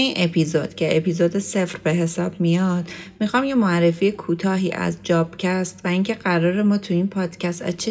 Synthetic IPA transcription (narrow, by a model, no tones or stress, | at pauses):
iːnʔe̞pʰiːzod̪̥cʰe̞ʔepizoːd̪esefɾbe̞ɦe̞sɒːb̥̚mijɒd̪̥mixɒːmje̞moæɾːe̞fiːekʰuːt̪ʰɒːɦiːʔæ̰zd͡ʒɒːb̥cʰæst̪væiŋcʰe̞ɢæɾɒːɾe̞mɒːt̪ʰuiːnpʰɒːd̪̥cʰæst̪æ̰t͡ʃʰe